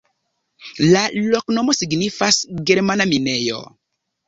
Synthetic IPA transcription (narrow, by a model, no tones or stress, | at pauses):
laloknomosiɡnifasɡeɾmanaminejo̰